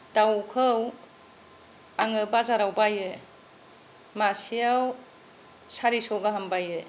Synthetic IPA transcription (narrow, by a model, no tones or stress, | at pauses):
dawkʰɯw | aŋɯbazaɾawbaje | masijaw | saɾisɔɡaɦambaje